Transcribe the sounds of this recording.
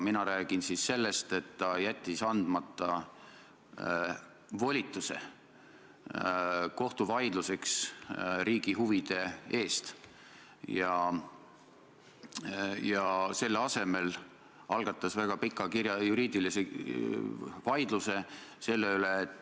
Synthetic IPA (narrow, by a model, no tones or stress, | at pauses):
minɑɾæːɡ̥insisse̞lːe̞st̪e̞t̪ːɑjæt̪ʲːisɑnd̪̥mɑt̪ˑːɑ | vo̞lʲit̪ːˑuse̞̰ | ko̞ht̪uvɑjd̪̥luse̞ksɾiːɡ̥iɦuvid̪̥e̞e̞ːst̪ | jɑ | jɑse̞lːɑse̞me̞l | ɑlɡ̥ɑt̪ˑːɑsvæɡ̥ɑpikːˑɑkiɾjɑjuɾiːd̪ilise | vɑjd̪̥luse̞se̞lːeyleːt̪ːˑ